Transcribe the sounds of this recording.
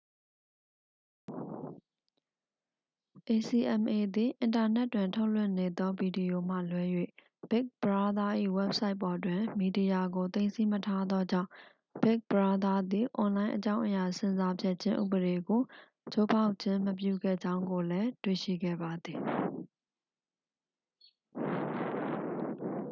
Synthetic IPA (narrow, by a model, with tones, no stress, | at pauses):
ʔe˨si˨ʔɛ̃˨mʔe˨d̪i˨ʔɪ̃˨nta˨nɛ˦tːwɪ̃˨ntʰo˦ʊlwɪ̰̃˦˨ne˨d̪ɔ˦bi˨di˨jo˨m̥ä̰˦˨lwɛ˨˦jwḛ˦˨ | b̥ɪ˦k̚b̥əɹa˦d̪a˦ʔḭ˦˨wɛ˦p̚sa˦ɪpːɔ˨ʔət̬wɪ̃˨mi˨di˨ja˨ɡo˨t̪ẽ˦ɪ̃nsi˦mətʰa˦d̪ɔ˦d͡ʑã̰˦˨ʊ̃ | b̥ɪ˦k̚b̥əɹa˦d̪a˦d̪i˨ʔɔ̃˨nlã˦ɪ̃ʔət͡ɕã˦ʊ̃ʔəja˨sɪ̃˦˨za˦pʰjɛ˦t̚t͡ɕʰɪ̃˦ʔṵ˦˨bəɾe˨ɡo˨ | t͡ɕʰo˦pʰa˦ʊʔt͡ɕʰɪ̃˦məp̬jṵ˦˨ɡɛ̰˦˨d͡ʑã˦ʊ̃ŋɡo˨lɛ˦twḛ˦˨ʃḭ˦˨ɡɛ̰˦˨ba˨d̪ði˨